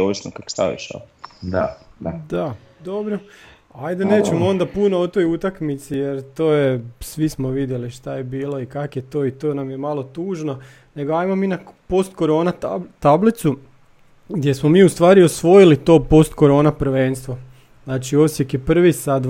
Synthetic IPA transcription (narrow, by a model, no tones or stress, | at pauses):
oʋisnokakst̪a̰ʋḭʃa̰d̪ad̪a | d̪obɾo | ajd̪eneːt͡ʃemoo̞nd̪apunoot̪o̞jut̪akmit̪sijeɾt̪oːjesʋismoʋid̪je̞liʃt̪ajebiːlˠo̞ikakjet̪o̞ːit̪o̞namjemalˠo̞t̪uːʒno̞ | ne̞ɡoaimominapo̞st̪ko̞ɾo̞ːnat̪ablit̪su | ɡd̪je̞smomiːust̪ʋaːɾiosʋo̞jilit̪o̞ːpo̞st̪ko̞ɾo̞ːnapɾ̩ʋeːnst̪ʋo | znaːt͡ʃio̞sjekjepr̩ʋisad̪